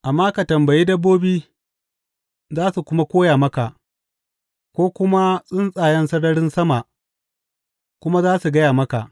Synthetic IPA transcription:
ʔa˨mːaː˦ka˨tɐ˨mbɐ˨jiː˦dɐ˦bːoː˦biː˦ | zaː˦su˨kʷʊ˦ma˦kʷoː˦jaː˨mɐ˦ka˨ʔ | kʷoː˦kʷʊ˦ma˦sʼɪ˦nsʼaː˨jɛ˦nsɐ˦ɽɐ˦ɽɪ˦nsɐ˦ma˨ʔ | kʷʊ˦ma˦zaː˦su˨ɡɐ˦jaː˨mɐ˦ka˨ʔ

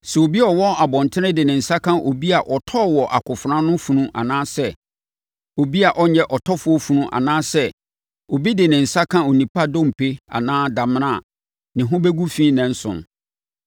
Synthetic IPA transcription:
sɛ˨o˨bi˦ɔ˨wɔ˦a˨bɔ̃˨ntʰɪ˦ɪ̃˦dɪ˨nɪ̃˨n̩˨sa˦kʰã˦ʔo˨bi˦a˨ʔɔ˨tʰɔ˦˨wɔ˨ʔa˨kʰʊ˨fʊ˨ɾã˦nʊ̃˦fũ˨nũ˦ʔa̰˨nãː˦sɛ˦ | o˨bi˦a˨ʔɔ˦ɲɛ˦ʔɔ˨tʰɔ˦fʊ˨˦ɔ˦fu˨nũ˦ʔa̰˨nãː˦sɛ˦ | o˨bi˦dɪ˨nɪ̃˨n̩˨sa˦kʰã˦o˨nĩ˨pʰa˦dõ˦m̩˨pʰe˦a̰˨nãː˦da˨m˦nã˦˨ | nɪ̃˨ɦʊ̃˦be˦ɡu˦fĩː˦nɛ̃˨n̩˦sʊ̰̃˨n

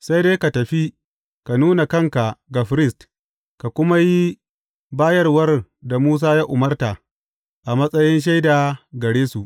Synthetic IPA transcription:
sa˦jdeː˦jka˨tɐ˨ɸi˦ | ka˨nuː˦na˨kɐ˦˨ŋka˨ɡa˨ɸɾɪ˦st | ka˨kʷʊ˦ma˦ji˦ | baː˦jɐ˦rwɐ˦rda˨muː˦s̬aː˦jaː˦ʔʊ˨mɐ˦rta˨ | ʔa˨mɐ˦sʼɐ˦jɪ˦nʃ̬a˦jda˨ɡɐ˨ɽeː˦su˨ʔ

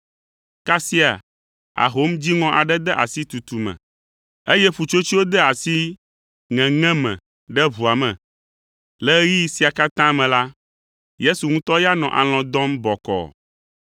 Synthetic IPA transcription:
ka˦si˦a̰˨ | a̰˨ɦo˦md͡ʑi˦ŋɔ̃˦ʔa˨ɖɛ˦d̪ɛ˦ʔa̰˨si˦t̪u˨t̪u˨mɛ̰̃˨ | e˦jɛ˦ɸu˨t͡ʃo˦t͡ɕi˦wo˦d̪ɛ˦a˨si˦ | ŋɛ̃˨ŋɛ̃˦mɛ̰̃˨ | ɖɛ˦βu˨a˨mɛ̰̃˨ | lɛ˦ji˦si˨a˨ka˦t̪ã˦mɛ̃˨la˦ | je˦su˨ŋũ˦t̪ɔ˦ja˦nɔ̰̃˨ʔa̰˨l̃ɔ̃˨d̪ɔ̃˦mbɔ˨kɔ̰˨

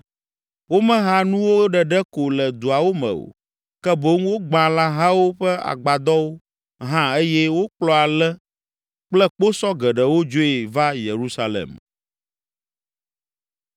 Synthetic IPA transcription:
wo˦mɛ̃˦ɦa˦nũ˦wo˦ɖɛ˨ɖɛ˦ko˨lɛ˨d̪u˨a˨wo˦mɛ̰̃˨o̰˨ | kɛ˦bo˦ŋwo˦ɡ͡bã˨la˦ɦã˦wo˦ɸɛ˦a̰˨ɡ͡ba˨d̪ɔ˦wo˦ | ɦã˦e˦jɛ˦wo˦k͡plɔ˦a˨lɛ˦ | k͡plɛ˦k͡po˦sɔ˦ɡɛ˨ɖɛ˨wo˦d͡ʒo˦ɛ˨va˦je˨ɾu˦sa˦lḛ˨m

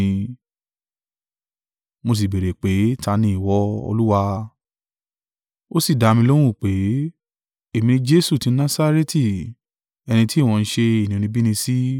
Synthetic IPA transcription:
mo˧s̬i˨be˨ɾe˨k͡pe˨˦ta˧˦nĩ˧i˨wɔ˦o̰˧lu˦wa˧ | o˦si˦˨da˨˧mĩ˧lo˦w̃ũ˦˨k͡pe˨˦ | e˦˨mĩ˧˦d͡ʒe˦su˦˨tĩ˨˦nã˦sa˦ɾe˦ti˦˨ | ɛ˧ñĩ˧ti˦˨w̃ɔ̃˧n̩˦ʃe˧i˨nĩ˨o˧nĩ˧bi˦nĩ˧si˦

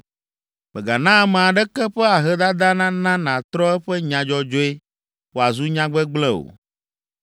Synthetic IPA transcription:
mɛ˨ɡa˨nã˦mẽ˨a˨ɖɛ˦kɛ˦ɸɛ˦a˨ɦɛ˦d̪a˦d̪a˦nã˦nã˦nã˨t̪ɾɔ˦ɛ˦ɸɛ˦ɲã˨d͡ʒɔ˦d͡ʒo˦e˦ | wo˨a˨zu˦ɲã˦ɡ͡bɛ˦ɡ͡blɛ˦o̰˨

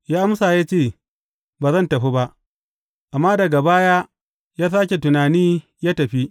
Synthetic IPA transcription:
jaː˦ʔa˦msa˨jaː˦t͡ʃeː˦˨ | baː˨zɐ˦˨ntɐ˨ɸi˦ba˦ʔ | ʔa˨mːaː˦dɐ˨ɡa˨baː˦ja˦ | jaː˦s̬aː˦kʲe˨tʊ˨naː˨niː˦ | jaː˦tɐ˨ɸi˦

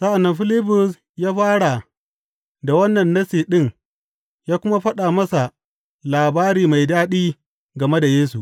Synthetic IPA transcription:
sɐ˦ʔa˨nːɐ˦mɸɪ˦lɪ˦bʊ˨s | jaː˦ɸaː˦ɽa˨ | da˨wɐ˦nːɐ˨nːɐ˦siː˨ɗɪ˦ŋ | jaː˦kʷʊ˦ma˦ɸɐ˦ɗaː˨mɐ˦sa˨ | laː˨baː˦ɾiː˨ma˨jdaː˦ɗiː˦ | ɡɐ˨me˦da˨jeː˦su˨ʔ

